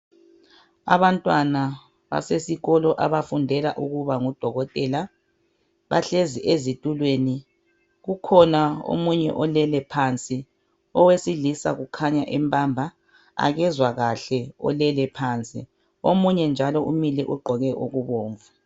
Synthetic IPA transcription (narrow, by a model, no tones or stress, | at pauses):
a̰βantʼwana | βa̰sesiɣɔlɔʔaβafundʱɛlaʔuɣuβaŋud̥ʱɔɣɔtʼɛla | βa̰ɬeziʔezitʼulweni | ɣukʰɔnao̰muɲɛ̰ʔɔlɛlɛpʰant͡sʼi | ɔwesilisa̰ɣukʰaɲaʔɛmpʼambʱa | a̰ɣɛzwaɣaɬɛɔ̰lɛlɛpʰaːnt͡sʼḭ | omuɲɛnd͡ʒʱalɔʔumilɛʔuɡ͡ǃʱɔɣɛʔoɣuβoːɱvu